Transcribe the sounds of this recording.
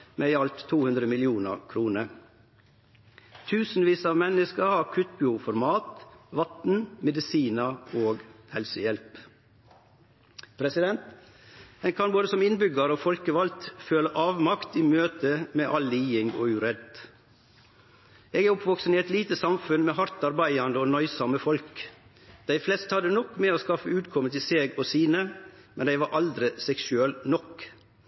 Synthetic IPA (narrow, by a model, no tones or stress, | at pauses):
meːɪɑlt̪ʰːuːhʉnd̪ɾəmɪlɪuːnə̰ɾkʰɾuːnəɾ | t̪ʰʉːsn̩ʋiːsɑːʋmɛnəskəɾhɑːɾkʰʉt̪bufɔɾmɑːt̪ʋɑt̪n̩mɛd̪ɪsiːnəoːɡhɛlsəjɛlp | pʰɾɛsɪd̪ɛnt̪ | ɛnkʰɑnboːd̪əsɔmɪnbʏɡəɾoːfɔlkəʋɑlt̪føːləʔɑːʋmɑkt̪iːmøːt̪əmeːʔɑlːiːɪŋɡo̰ːʉɾɛd̪ | eːɡæːɾʊpʋɔksəniːɛt̪liːt̪əsɑmfʉnmeːɦɑɾt̪ɑɾbæɪɑnd̪əoːnœʏsɑməfɔlk | d̪̥æɪflɛst̪hɑd̪ənɔkːmeːoːskɑfəʉːt̪kʰɔmət̪ɪseːɡoːsiːnəmɛnd̪æɪʋɑɾʔɑld̪ɾɪsɛksʉɛlnɔk